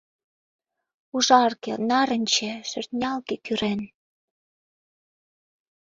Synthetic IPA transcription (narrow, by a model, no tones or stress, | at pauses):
uʒɑrkḛnɑɾə̆nʲt͡ɕĕʃø̆rt̪nʲɑlkekyɾen